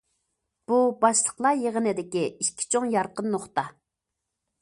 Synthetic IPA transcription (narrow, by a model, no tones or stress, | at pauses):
b̥ubɑʃlˠəχlˠɑjeʁənɨd̪ɪkʲiiʃkʲʰi̥t͡ʃʰoŋjɑɾqənːoχt̪ɑ